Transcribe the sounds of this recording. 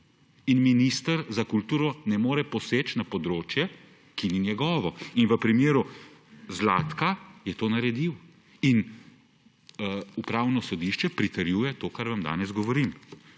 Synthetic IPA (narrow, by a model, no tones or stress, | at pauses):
inminiːst̪ɐɾzakult̪uːɾɔnɛmoːɾɛpɔseːt͡ʃnapɔd̪ɾoːt͡ʃjɛ | kininjɛɡɔːʋɔinʋəpɾimeːɾuzlaːt̪kajɛt̪oːnɐɾɛd̪iw | in | upɾaːwnɔsɔd̪iʃt͡ʃɛpɾit̪ɛɾjuːjɛt̪oːkaɾʋamd̪a̰ːnɛzɡɔʋɔɾim